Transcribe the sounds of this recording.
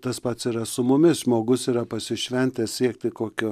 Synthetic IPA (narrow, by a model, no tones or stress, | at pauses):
t̪ɐspɐt̪siːɾɐsʊmʊmʲɪsʒmoːɡʊsiːɾɐpɐsʲɪʃʲʋʲɛnʲt̪ʲɛssʲiɛkt̪ʲɪkoːkʲʊ